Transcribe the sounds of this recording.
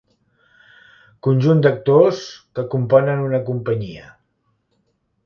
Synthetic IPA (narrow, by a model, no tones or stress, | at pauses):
kunʲʒund̪ək̚t̪oskəkumpɔnənunəkumpəɲiə